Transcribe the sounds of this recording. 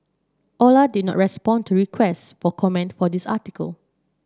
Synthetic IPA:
ʔɔladid̚nɔ̰ʔ̚ɹɛspɔ̃ntuɹikʰwɛstfɔkʰɔmɛ̃ntfɔdisatikə̰l

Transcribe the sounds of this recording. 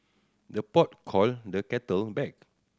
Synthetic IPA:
dəpɔt̚kʰɔldəkɛtəlbɛk̚

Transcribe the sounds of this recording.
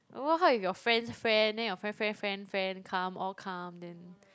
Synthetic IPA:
ʔwəɦaifjɔfɹɛ̃nsfɹɛ̃ndɛ̃jɔfɹɛ̃nfɹɛ̃nfɹɛ̃nfɹɛ̃nkʰãmʔɔkʰãmdɛ̃n

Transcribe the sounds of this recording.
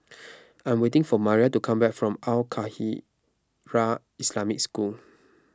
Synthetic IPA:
ãj̃mwetɪ̃ŋfɔmaɹiatukʰãmbɛkfɹɔ̃malkʰahi | ɹa | islamɪk̚skul

